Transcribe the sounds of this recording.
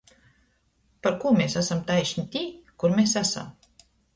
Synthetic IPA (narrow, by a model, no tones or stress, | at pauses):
paɾkuːmʲesæsamt̪ajʃnʲit̪ʲiːkuɾmʲesæsa̰m